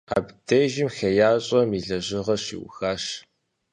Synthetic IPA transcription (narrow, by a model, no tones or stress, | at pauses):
a̰ːbdeʒɪmxɐjaːɕʼɐmiɮɐʑɪʁɐɕḭwxaːʂ